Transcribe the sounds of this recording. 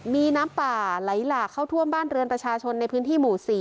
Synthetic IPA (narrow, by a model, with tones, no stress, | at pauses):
miː˧naː˦˥mpaː˨˩la˩˦jlaː˨˩kʰːa˥˩wt̪ʰu˥˩əmbaː˥˩nɾɯ˧ənpɾa˧t͡ɕʰaː˧t͡ɕʰo˧nːa˧jpʰɯː˦˥nt̪ʰiː˥˩muː˨˩siː˨˩˦